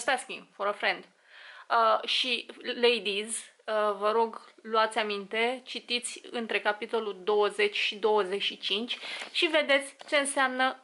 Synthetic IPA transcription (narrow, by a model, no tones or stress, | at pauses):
st̪askʲiŋfoɾəfɾend̪ | əʃilejd̪izəvəɾo̞ɡluat̪sʲamint̪e̞t͡ʃit̪it̪sʲɨnt̪ɾe̞kapit̪o̞lud̪o̞wəze̞t͡ʃʲʃid̪o̞wəze̞ʃit͡ʃint͡ʃʲʃive̞d̪e̞t̪sʲt͡ʃe̞ɨnseamnə